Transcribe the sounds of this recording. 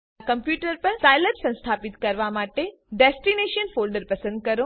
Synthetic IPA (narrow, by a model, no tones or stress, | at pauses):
kɐmpjuːʈəɾpɐɾsaːɪləʈsɐ̃nst̪ʰaːpɪt̪kɐɾʋamaːʈe | ɖɛːsʈineːʃənfoːlɖəɾpɐsə̃nd̪̚kɐɾo